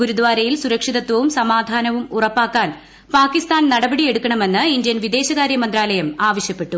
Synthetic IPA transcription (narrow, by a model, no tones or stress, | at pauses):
ɡuɾud̪ʋaːɾɐjilsuɾɐkʂiðɐt̪ʋɐʋumsɐmaːd̪ʱaːnɐʋumurɐpːaːkːaːn | paːkːist̪aːnnɐɽɐbɐɽije̞ɽukːɐɳɐme̞nːɨind̪jɐnʋid̪e̞ːɕɐɣaːɾjɐmɐnd̪raːlɐjɐmaːʋɐɕjɐpːe̞ʈːu